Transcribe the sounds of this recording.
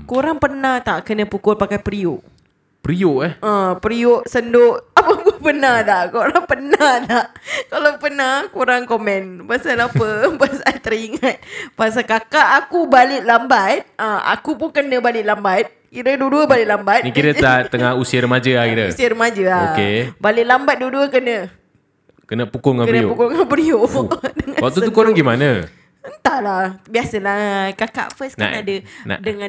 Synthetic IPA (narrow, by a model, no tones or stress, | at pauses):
koɾaŋpərnaht̪aʔkənə̃pukʊlpakajpɾioʔ | pəɾioʔahʔãpɾioʔsəndoʔapəkəpənadaʔkoɾaŋpənadaʔkalapənakoɾaŋkomɛ̃npasalapəpasaajt̪əɾiŋat̪̚paas̬akakaʔːkubalɪʔ̪̚lambat̪̚aa̰kupʊnkənə̃balɪʔlambat̪̚ | kiɾəduəduəbalɪʔlambat̪nikiɾəat̪əŋahusiəɾəmad͡ʒəaiɾəsiəɾəmad͡ʒəaokebalɪʔlambat̪̚duəduəkənə | kənəpukʊŋakəlnəiopukʊŋanpəliodəŋãwat̪ut̪ukoŋɡimanə | ənt̪alabiasəlakaka̰ʔfəsna̰nadəna̰dəŋãn